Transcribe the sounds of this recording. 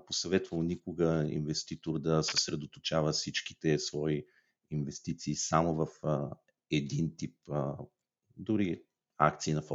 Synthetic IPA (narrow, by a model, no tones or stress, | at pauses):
posɐvɛt̪vəlˠnikʊɡəḭnvɛst̪it̪oɾd̪ɐsə̥sɾɛd̪ot̪ot͡ʃavəfsit͡ʃki̥t̪ɛsvɔi | invɛst̪it̪siːsamovəf | ɛd̪int̪ip̚ | d̪ʊɾi | a̰k̚t̪siːnɐf